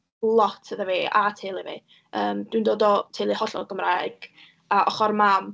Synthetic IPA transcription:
lˠɔtʰəðəveːatʰeːlˠivḛː | əːmd̥windoːdɔtʰeːlˠihɔɬɔ̰ɡəmraɡ̥ | aʔɔχɔrmam

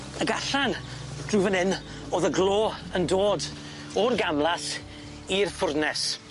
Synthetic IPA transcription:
əɡaɬand̥ruvənhɪn | oːðəɡlˠoːəndoːd | ɔrɡamlˠas | irfʊrdnɛs

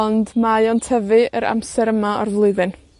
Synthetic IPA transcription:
ɔndmajɔntʰɛvɨəɾa̰msɛɾəmaɔrðlˠʊɨðɨn

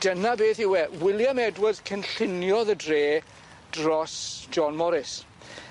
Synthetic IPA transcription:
d̥ənabeːθɪwɛwɪlˠjamɛdwəð̥kʰənɬɪnjɔðədreː | d̥rɔsd͡ʒɔnmɔɾɪs

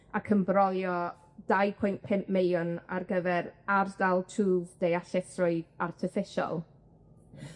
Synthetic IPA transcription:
akʰəmbrɔljɔ | d̥ajpʰʊjnpʰɪnʔmejʊna̰rɡəvɛɾardalˠtʰuːvdejaɬɛθrʊɨðartʰɪfɪʃɔ̰lˠ

